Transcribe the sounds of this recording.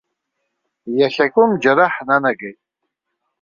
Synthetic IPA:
jaɬakʷʼʊmd͡ʒaɾaħnanaɡejtʼ

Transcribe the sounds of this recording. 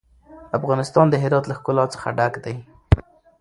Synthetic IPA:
afɣɑnɪst̪ɑnd̪əɦɪɾɑt̪laxkʊlɑt͡sə̥xa̰ɖaɡd̪aj

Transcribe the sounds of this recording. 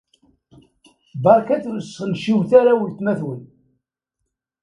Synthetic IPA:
bɑɾˤkæθləsənʃiwθaɾawəlt̪mæθwən

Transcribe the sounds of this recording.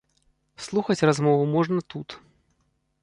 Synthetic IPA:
slˠuxɐt͡sʲrazmɔvumɔʐnɐt̪ut̪

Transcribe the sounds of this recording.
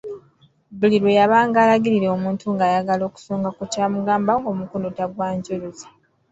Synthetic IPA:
buliɾwejaβaːŋɡaːlaɡiɾiɾeomuːntuŋɡaːjaɡalo̞ːku̥soːŋɡakucaːmuɡaːmbaŋɡo̞mukondotaɡwaːɲɟoloze

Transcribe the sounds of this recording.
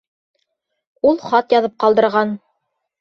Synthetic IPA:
ulˠχɑt̪jɑðɤp̚qɑlˠd̪ɤ̆ɾʁɑn

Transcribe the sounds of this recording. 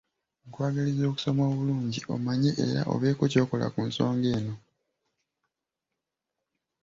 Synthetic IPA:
ŋkwaːɡalizo̞ːku̥so̞mo̞ːβuluːɲɟiʔo̞̰maɲe̞ʔḛɾa̰ʔo̞̰βe̞ːkoco̞ːko̞la̰kuːnso̞ːŋɡe̞ːno̞

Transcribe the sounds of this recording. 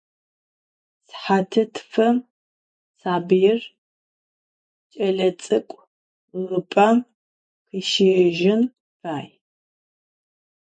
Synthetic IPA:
sħatʰɨtʰfɐm | saːbijɪr | t͡ʃʼɐɮɐt͡sʼɨkʷʼ | rɨpʼam | qəʃiʒɪn | faːj

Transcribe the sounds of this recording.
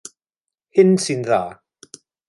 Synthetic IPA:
hɪnsɪnðaː

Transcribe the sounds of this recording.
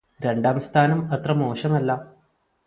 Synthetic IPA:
ɾe̞ɳɖaːmst̪ʰaːnɐmɐt̪rɐmoːʂɐmɐlːɐ

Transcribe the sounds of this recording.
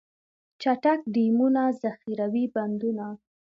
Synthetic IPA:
t͡ʃaʈak̚ɖimunazaxiɾawiband̪una

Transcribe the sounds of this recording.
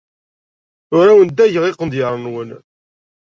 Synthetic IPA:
ʊɾæwənd̪æʝəʁiqənd̪jəɾˤnwən

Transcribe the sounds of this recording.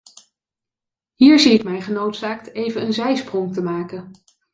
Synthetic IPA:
ɦiːɹziɪkmɛjχənowtsaːktejvənənzɛjsprɔŋtəmaːkən

